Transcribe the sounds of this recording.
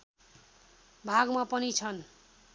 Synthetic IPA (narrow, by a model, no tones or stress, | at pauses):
bʱaɡmapʌnit͡sʰʌn